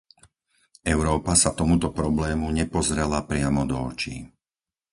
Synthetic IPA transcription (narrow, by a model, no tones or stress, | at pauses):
ɛʊɾɔːpasat̪ɔmut̪ɔpɾɔblɛːmuɲɛpɔzɾɛlapɾɪamɔd̪ɔɔt͡ʃḭ